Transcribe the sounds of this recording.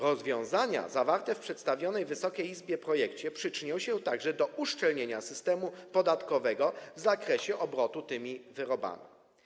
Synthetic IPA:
ɾɔzvʲjɔ̃w̃zaɲa̰zavaɾt̪ɛfpʂɛt̪st̪avʲjɔnɛjvɘsɔkʲejizbʲjɛpɾɔjɛkt͡ɕɛpʂɘt͡ʂɘɲɔ̃w̃ɕɛt̪aɡʐɛd̪ɔʔuʂt͡ʂɛlɲeɲasɘst̪ɛmupɔd̪at̪kɔvɛɡɔvzakɾɛɕɛʔɔbɾɔt̪ut̪ɘmʲivɘɾɔba̰mʲi

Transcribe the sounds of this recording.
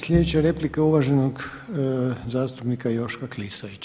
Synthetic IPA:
slʎʲed̪et͡ɕeɾeplikeuʋaʒenoɡ | zaːst̪upnikajo̞ʃkaklisaʋit͡ɕ

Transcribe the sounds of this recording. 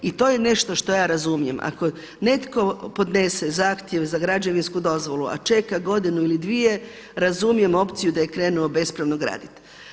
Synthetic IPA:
it̪o̞ːje̞ne̞ʃt̪o̞ʃt̪o̞jaːɾazumije̞mʔa̰ko̞ | ne̞t̪ko̞po̞d̪ne̞sezaːxt̪jeʋzaɡɾad͡ʒaʋinskud̪o̞zʋo̞lua̰t͡ʃe̞kaɡo̞d̪inuilid̪ʋije̞ | ɾazumije̞mo̞pt̪sijud̪aje̞kɾe̞ːnuobe̞spɾeʋnoɡɾa̰ːd̪it̪

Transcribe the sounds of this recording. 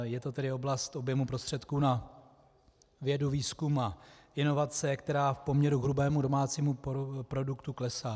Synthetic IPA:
jɛt̪o̞t̪ɛdɪo̞blast̪ʔo̞bjɛmupɾo̞st̪r̥ɛt̪kuːna | vjɛduviːskumaʔɪno̞vat͡sɛkt̪ɛɾaːfpo̞mɲɛɾuɦɾubɛːmudo̞maːt͡siːmupɾo̞dukt̪uklɛsaː

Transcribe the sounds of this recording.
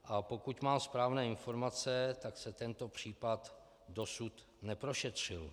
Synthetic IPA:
ʔapo̞kucmaːmspɾaːvnɛːɪnfo̞ɾmat͡sɛt̪aksɛt̪ɛnt̪o̞pr̝̥iːpat̪ | do̞sut̪ | nɛpɾo̞ʃɛt̪r̝̥ɪl

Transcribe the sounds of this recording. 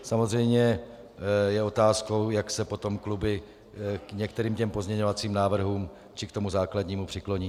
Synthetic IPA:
samozrɛjmɲɛ | jɛo̞t̪aːsko̞wjaksɛpo̞t̪o̞mklubɪ | kɲɛk̚t̪ɛɾiːmcɛmpo̞zmɲɛɲovat͡siːmnaːvr̩ɦuːm | t͡ʃɪkt̪o̞muzaːkladɲiːmupr̥ɪklo̞ɲiː

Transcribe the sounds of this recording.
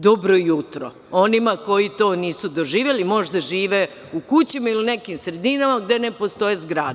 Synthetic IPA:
d̪obɾojut̪ɾo̰ | o̞nimako̞jit̪o̞ːniːsud̪oʒiːʋjelimo̞ʒd̪aʒiːʋe | ukut͡ɕimailiune̞kimsɾe̞d̪inamaɡd̪e̞nepo̞st̪o̞jezɡɾaːd̪

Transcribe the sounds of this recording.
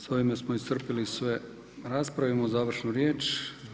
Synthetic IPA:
soʋimesmoist̪r̩pilisʋe | ɾaːspɾaʋimozaːʋr̩ʃnuɾjeːt͡ʃ

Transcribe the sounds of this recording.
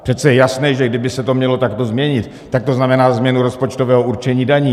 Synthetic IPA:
pr̥ɛt̪t͡sɛjɛjasnɛːʒɛɡdɪbɪsɛt̪o̞mɲɛlo̞t̪akt̪o̞zmɲɛɲɪt̪ːak̚t̪o̞znamɛnaːzmɲɛnuɾo̞spot͡ʃt̪ovɛːɦouɾt͡ʃɛɲiːdaɲiː

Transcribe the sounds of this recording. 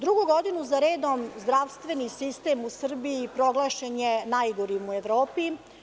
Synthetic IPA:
d̪ɾuɡuɡo̞d̪inuzaɾeːd̪omzd̪ɾaʋst̪ʋe̞nisist̪e̞musr̩biipɾoɡlˠaʃeɲenajɡoɾimueʋɾoːpi

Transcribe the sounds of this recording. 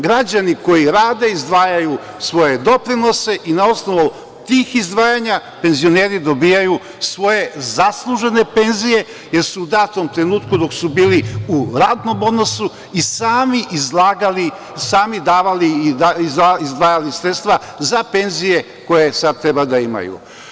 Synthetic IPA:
ɡɾad͡ʑaniko̞jiɾaːd̪e̞izd̪ʋaːjaju | sʋo̞je̞d̪o̞pɾino̞se̞ʔinao̞sno̞ʋo | t̪iːxizd̪ʋaːjaɲape̞nzio̞neːɾid̪o̞biːjaju | sʋo̞je̞zaslˠuʒe̞ne̞pe̞nzije̞ | je̞ɾsuːd̪aːt̪o̞mt̪ɾe̞nuːt̪kud̪o̞ksubiːliuɾaːd̪no̞mo̞d̪no̞su | isaːmiʔizlaɡali | saːmid̪aːʋaliiaizd̪ʋaːjalisɾet̪st̪ʋa | zape̞nzije̞ | ko̞je̞sad̪̚t̪ɾe̞bad̪aima̰jṵ

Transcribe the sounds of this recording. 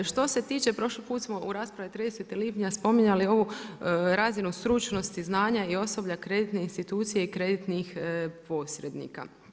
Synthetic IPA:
ʃt̪o̞se̞t̪iːt͡ʃe̞pɾo̞ʃlipuːt̪smo̞ʔuɾaːspɾaʋit̪ɾid̪eset̪iliːpɲaspo̞miɲalio̞ʋuɾazinusɾut͡ʃno̞st̪iznaːɲaio̞so̞bʎakɾe̞d̪it̪neinst̪it̪uːt̪sijeikɾe̞d̪it̪nixpo̞ːsɾed̪nḭka̰

